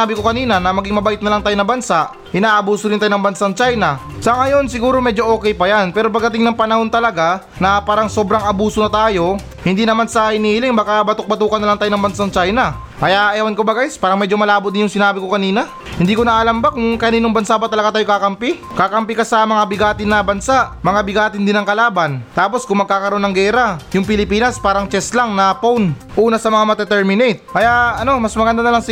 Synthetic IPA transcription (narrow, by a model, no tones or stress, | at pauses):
abɪkokɐniːnɐnɐmɐɡiŋmɐbɐʔɪt̪̚nɐlaŋt̪aːjonɐbɐnsaʔ | ʔɪnaːʔɐbuːsoɾɪnt̪aːjonɐŋbɐnsaŋt͡ʃajnɐ | sɐŋɐjo̞nsɪɡuːɾomɛːd͡ʒo̞ʔo̞ːkɛjpɐjanpɛːɾop̬ɐɡd̪ɐt̪ɪŋnɐŋpɐnɐho̞nt̪ɐlɐɡa | nɐpaːɾɐŋso̞ːbɾɐŋɐbuːsonɐt̪aːjo̞ | hɪnd̪iːnɐmansɐhɪnihlɪŋbaːkabɐt̪ʊk̚bɐt̪uːkɐnːɐlaŋt̪aːjonɐŋbɐnsaŋt͡ʃajnɐ | kɐjaʔɛːwɐnkobɐɡajspaːɾɐŋmɛd͡ʒo̞mɐlaːbʊt̪d̪ɪnjʊŋsɪnaːbɪkokɐniːnɐ | hɪnd̪iːko̞nɐʔːlɐmbakʊŋkɐniːnoŋbɐnsabɐt̪ɐlɐɡat̪aːjokakɐmpi | kakɐmpikɐsɐmɐŋabɪɡaːt̪ɪnɐbɐnsaʔmɐŋabɪɡaːt̪ɪnd̪ɪnɐŋkɐlaːbɐnt̪aːpo̞skʊŋmɐɡ̚kːaːkɐɾoʔnːɐŋɡɛːɾajʊŋpɪlɪpiːnɐspaːɾɐŋt͡ʃɛslaŋnɐpown | ʔuːnɐsɐmɐŋamɐt̪ɛt̪ɛɹmɪnɛjt̪̚kɐjaʔɐno̞mɐsmɐɡɐnd̪anɐlɐŋs